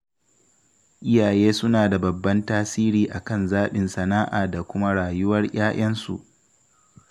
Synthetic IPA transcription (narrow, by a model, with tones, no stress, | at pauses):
ʔɪ˦jaː˨jeː˦sʊ˦naː˨da˨bɐ˨bːɐ˦ntaː˦siː˦ɾiː˨ʔa˨kɐ˦nzaː˦ɓɪ˨nsɐ˨naː˦ʔaː˨da˨kʷʊ˦ma˦ɽaː˨jʊ˦wɐ˦rj̰aː˦ʔɐ˦nsṵ˨ʔ